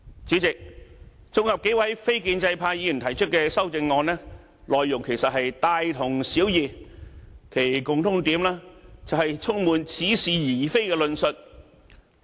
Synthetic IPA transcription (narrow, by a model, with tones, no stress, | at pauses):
t͡siː˨˥t͡sɪ˨k̚ | t͡sʊ˥ŋhɐ˨p̚ke˨˥jwɐ˨˥jfe˥jkiː˧nt͡sɐ˧jpʰaː˧ji˨˧jy˨˩nt̪ʰɐ˨˩jt͡ʃʰɵ˥t̚kɛː˧sɐ˥wt͡sɪ˧ŋːɔː˧nlɛː˥ | lɔː˨jːʊ˨˩ŋkʰe˨˩jsɐ˨t̚ɦɐ˨jt̪aː˧jt̪ʰʊ˨˩ŋsiː˨˥wjiː˨ | kʰe˨˩jkʊ˨ŋt̪ʰʊ˨˥ŋt̪iː˨˥mlaː˥t͡sɐ˨whɐ˨jt͡sʰʊ˥ŋmuː˨nt͡sʰiː˨˥siː˨˩jiː˨˩fe˥jkɛː˧lɵ˧nsɵ˨t̚